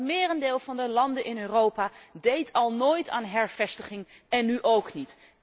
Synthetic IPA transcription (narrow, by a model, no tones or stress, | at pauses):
mɪːrəndeːlˠvɑndəlɑndənʔɪnøːrowpaːdejtɑlˠnoːjta̰ːnɦɛɹv̥ɛstəχɪŋ | ɛnːyʔowknit